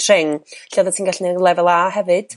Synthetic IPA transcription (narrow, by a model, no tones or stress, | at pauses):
rɪŋɬɛðətʰiːnɡaɬnɛlˠɛvɛlˠahɛvɨd̥